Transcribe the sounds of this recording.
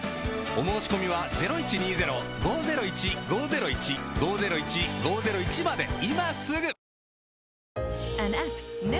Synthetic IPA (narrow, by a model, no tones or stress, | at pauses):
o̞mo̞ːɕi̥ko̞mʲiβ̞aze̞ɾo̞it͡ɕiɲ̟iːze̞ɾo̞ɡo̞ːze̞ɾo̞it͡ɕiɡo̞ːze̞ɾo̞it͡ɕiɡo̞ːze̞ɾo̞it͡ɕiɡo̞ːze̞ɾo̞it͡ɕimad̪e̞̰imasɨɡɯ̟ | ãnaksn